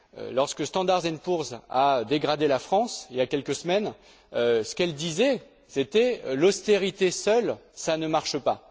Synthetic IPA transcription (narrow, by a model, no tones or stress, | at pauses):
ø̰lɔʁskəst̪ɑ̃d̪aʁzɛnpuʁzaød̪eɡʁad̪elafχɑ̃siljakʲɛlkəsəmɛn | øsə̥kɛld̪izɛ | set̪ɛlɔst̪eʁit̪esœlsanəmaʁʃəpa